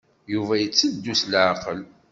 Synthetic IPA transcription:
juvæjət͡sːəd̪ːuslʕqəl

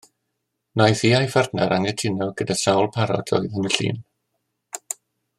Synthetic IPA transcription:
najθiːajfardnaɾʔaŋɛtʰɪnɔɡ̥ədasawlˠpʰaɾɔ̰dʰɔ̰jðənəɬḭːn

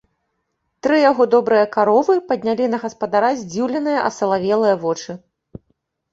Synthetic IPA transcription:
t̪ɾɨjaɣɔd̪ɔbɾɨjɐkaɾɔvɨpɐd̪̚ʲnʲalʲinɐɣɐspɐd̪aɾazʲd͡zʲiwlʲɛnɨjɐʔɐ̰sɐlˠavʲɛlˠɨjɐvɔt͡ʂɨ

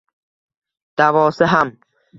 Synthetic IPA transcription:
d̪̥avɒːsɪɦam

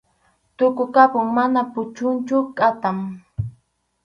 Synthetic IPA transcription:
t̪ʊkʊkapʊŋmanapʊt͡ʃʊnt͡ʃʊkʼat̪aŋ

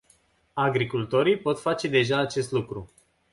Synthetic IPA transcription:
aɡɾikult̪o̞ɾijpo̞t̪fat͡ʃe̞d̪e̞ʒaːt͡ʃe̞st̪lukɾu

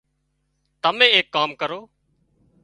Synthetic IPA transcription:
t̪əmẽːeːkːaːmkəɾoː

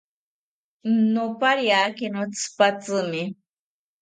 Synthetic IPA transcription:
nopaɾjaːkinot͡sʰpat͡sɨmɪ

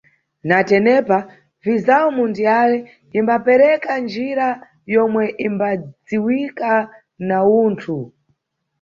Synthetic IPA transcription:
natɛnɛpa | vizawɔmundijalɛ | imbapɛɾɛkand͡ʒiɾa | jɔmwɛʔimbad͡ziwika | nauːntʰu

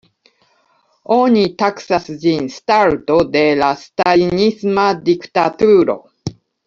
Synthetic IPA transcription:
oɲ̟it̪akɯ̟̥sasɨʑĩɰ̃sɨ̥t̪aɾɯ̟t̪od̪eɾasɨ̥t̪aiɲisɨmad̪ʲikɯ̟̥t̪at̪ɯːɾo̞̰

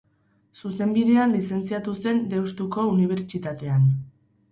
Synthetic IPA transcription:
suse̞mbiðe̞anlise̞nt͡siat̪use̞nd̪e̞wst̪uko̞uniβ̞e̞ɾt͡ʃit̪at̪e̞an

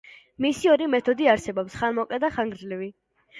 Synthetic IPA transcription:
misiɔɾimɛt̪ʰɔd̪iaɾsɛbɔpsχanmɔkʼlɛd̪aχaŋɡɾd͡ʒlɛvi

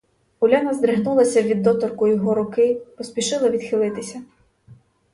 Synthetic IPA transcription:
ʊlʲanɐzd̪ɾeɦnulˠɐsʲɐʋʲid̪ːɔt̪ɔrkʊjɔɦɔɾʊkɪpɔspʲiʃɪlˠɐʋʲid̪̥xɪlˠɪt̪ɪsʲɐ

